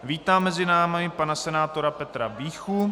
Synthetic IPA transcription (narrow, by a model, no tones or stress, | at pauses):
viːt̪aːmːɛzɪnaːmɪɪpanasɛnaːt̪o̞ɾapɛt̪ɾa̰viːxu